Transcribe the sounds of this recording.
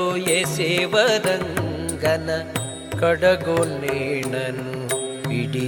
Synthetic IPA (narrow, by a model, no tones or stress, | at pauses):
ojeseːʋɐd̪ɐŋɡɐnɐ | kɐɽɐɡolneːɳɐnuiɽi